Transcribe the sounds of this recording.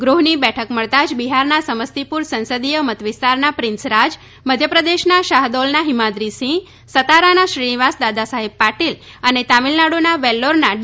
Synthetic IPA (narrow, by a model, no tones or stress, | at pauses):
ɡɾuɦnibɛʈʰəkməɭt̪ad͡ʒbiɦaɾnasəməst̪ipuɾsə̃nsəd̪ijəmət̪ʋɪst̪aɾnapɾɪnsɾad͡ʒ | məd̪ʱjəpɾəd̪eʃnaʃaɦd̪ɔlnaɦimad̪ɾisĩŋɡ | sət̪aɾanaʃɾiniʋasd̪ad̪asaɦib̚paʈil | ənet̪amilnaɽonaʋɛlːoɾnaɖ